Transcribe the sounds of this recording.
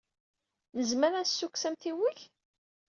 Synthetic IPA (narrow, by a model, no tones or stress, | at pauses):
nəzməɾæsːukːsæmθiwiç